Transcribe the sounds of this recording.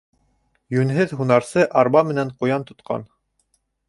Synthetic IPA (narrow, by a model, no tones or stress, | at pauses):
jʉnɦɘðɦunɑɾsɤʔɑɾbɑmɘ̆næɴqujɑnt̪ŏt̪qɑ̰n